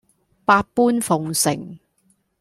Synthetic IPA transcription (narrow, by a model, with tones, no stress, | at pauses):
paː˧t̚puː˥nfʊ˨ŋsɪ˨˩ŋ